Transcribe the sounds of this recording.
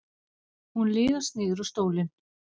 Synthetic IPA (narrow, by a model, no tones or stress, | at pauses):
hunlɪːɣḁst̪nɪːðʏɾɔst̪oːwlɪn